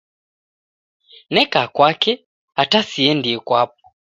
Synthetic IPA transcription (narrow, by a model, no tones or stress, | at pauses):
nɛkaːkwakɛ | atasiɛndiɛkwap̚ɔ̥